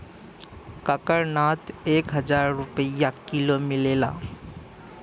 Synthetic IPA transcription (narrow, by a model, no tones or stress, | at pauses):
kəkəɾnaːt̪eːkɦəd͡ʒaːɾːʊpəjakɪlomɪleːla̰ː